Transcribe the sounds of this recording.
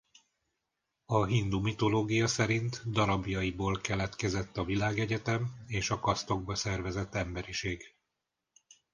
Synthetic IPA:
ɒɦind̪umit̪o̞loːɡijɒsɛɾint̪d̪ɒɾɒbjɒiboːlkɛlɛt̪kɛzɛt̪ːɒvilaːɡɛɟɛt̪ɛmeːʃɒkɒst̪o̞ɡ̚bɒsɛrvɛzɛt̪ːɛmbɛɾiʃeːɡ

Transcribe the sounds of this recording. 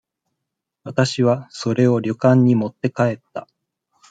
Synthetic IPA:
βat̪aɕiβaso̞ɾe̞o̞ɾʲo̞kãɲ̟ːimo̞t̪ːe̞kae̞t̪ːa

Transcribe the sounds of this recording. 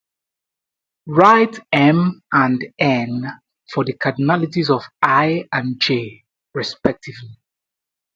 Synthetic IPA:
ɹaɪtɛ̃mãndɛ̃n | fɔðəkʰanalitizɔvaɪãnd͡ʒe | ɹɛspɛk̚tʰivli

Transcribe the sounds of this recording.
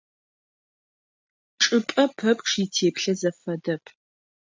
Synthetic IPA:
ʈ͡ʂʼɨpʼɐpʰɐpʼʂitʰeːpɬɐzɐfɐdɐpʰ

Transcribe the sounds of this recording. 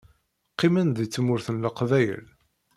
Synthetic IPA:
qːimənðit͡sːmʊɾθənləqvæjə̰l

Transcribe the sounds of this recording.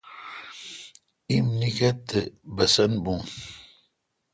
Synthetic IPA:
imnikɐt̪ːebɐsɐnbũn

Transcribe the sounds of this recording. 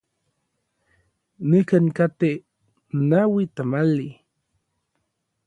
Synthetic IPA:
nikankat̪e | nawit̪amali

